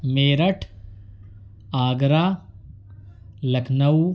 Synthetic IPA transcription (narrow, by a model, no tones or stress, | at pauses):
meːɾɐʈʰ | aːɡɾaː | lɐkʰnɐw